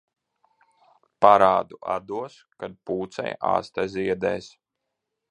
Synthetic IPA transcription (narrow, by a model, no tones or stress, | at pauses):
paɾaːd̪uʔa̰d̪uɔs | kad̪̚puːt̪sɛ̰ja̰ːst̪aziɛd̪ɛ̰ːs